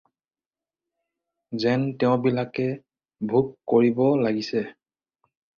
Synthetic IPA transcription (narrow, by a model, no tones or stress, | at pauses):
zɛntɛʊ̃bilakɛ | bʱukkoɹibɔlaɡisɛ